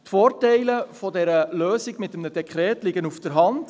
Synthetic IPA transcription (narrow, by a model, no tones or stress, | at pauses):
tfoːɾtɛɪləfɔdɛɾəløːsɪɡmɪtːəmnəd̥ɛkʰχɾɛːtlɪɡənufd̥əɾɦɑnd